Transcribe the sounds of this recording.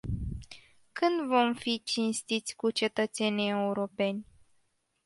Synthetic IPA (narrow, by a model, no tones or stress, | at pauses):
kɨnd̪vo̞mfit͡ʃinst̪it̪sʲkut͡ʃe̞t̪ət̪se̞nije̞uɾo̞pe̞nʲ